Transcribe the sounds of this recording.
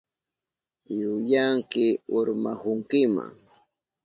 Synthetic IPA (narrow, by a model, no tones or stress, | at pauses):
jʊjaŋkɪʊɾmahʊŋkɪma̰ŋ